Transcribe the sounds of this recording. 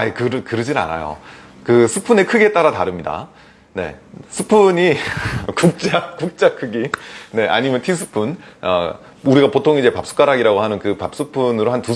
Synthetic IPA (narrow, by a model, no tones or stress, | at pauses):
aikɯɾɯkɯɾɯd͡ʑina̰na̰jo̰ | kɯsʰɯpʰune̞kʰɯɡe̞t͈aɾataɾɯmɲida̰ | ne̞̰sʰɯpʰuɲikuk̚t͡ɕ͈akuk̚t͡ɕ͈akʰɯɡine̞ʔa̰ɲimjʌntʰis̬ʰɯ̥pʰunʌ̰ | uɾiɡapotʰoŋid͡ʑe̞pap̚s͈u̥k͈aɾaɡiɾaɡoɦanɯnkɯpap̚s͈ɯpʰunɯɾohantu